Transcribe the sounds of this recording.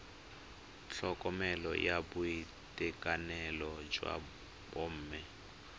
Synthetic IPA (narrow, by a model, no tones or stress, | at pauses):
ɬɔkʼɔmɛlɔ̰jabui | tʼɛkʼanɛlɔd͡ʒwa̰ | bom̩ːmɛ